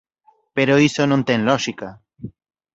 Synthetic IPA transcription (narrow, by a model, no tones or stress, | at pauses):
peɾoisonõnt̪enlɔʃika